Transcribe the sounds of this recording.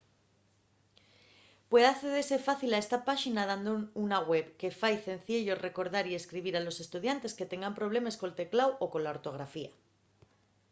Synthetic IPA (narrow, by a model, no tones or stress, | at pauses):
pwe̞ðaθe̞ð̞e̞ɾse̞faθilae̞st̪apaʃinaðand̪ounaɣwe̞βke̞fajθe̞n̟θeʎo̞re̞ko̞ɾðaɾie̞skɾiβ̞iɾalo̞se̞st̪uð̞jant̪e̞ske̞t̪e̞ŋɡampɾo̞β̞le̞meskoelt̪e̞klawo̞ko̞nlaoɾt̪o̞ɣ̞ɾafia